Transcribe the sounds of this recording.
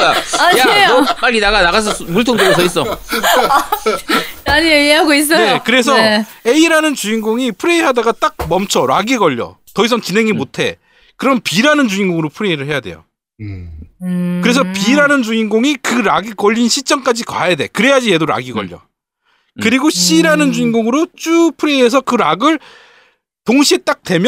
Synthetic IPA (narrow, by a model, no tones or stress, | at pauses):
aaoopaʎːidaɡanaɡas̬ʰʌmuɭtʰoŋdoɡesʰʌis͈ʌ | aɲiojeɦaɡois̬͈ʌnekɯɾe̞s̬ʰʌe̞iɾanɯnt͡ɕuiŋɡoŋipʰuɾe̞iɦadaɡat͈ak̚mʌmt͡ɕʰʌɾa̰ɡiɡʌʎːʌ̰tʌisʰʌnt͡ɕinɦe̞ŋimotʰe̞ | kɯɾʌmpiɾanɯnt͡ɕuiŋɡoŋɯɾopʰuɾe̞iɾɯɭɦe̞jade̞̰jo̰ | kɯɾe̞sʰʌpiɾanɯnt͡ɕuiŋɡoŋikɯɾaɡikʌʎːinɕʰit͡ɕ͈ʌŋk͈ad͡ʑikwa̰jade̞̰kɯɾe̞jad͡ʑije̞doɾa̰ɡiɡʌ̰ʎːʌ̰ | kɯɾiɡoɕ͈ʰiɾanɯnt͡ɕuiŋɡoŋɯɾot͡ɕ͈upʰɯɾe̞ies̬ʰʌkɯɾaɡɯɭ | toŋɕʰiet͈ak̚twe̞mjʌ